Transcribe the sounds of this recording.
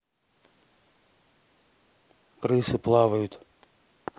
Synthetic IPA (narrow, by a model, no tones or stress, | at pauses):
kɾɨsɨplˠɑʋɐjut̪ʲ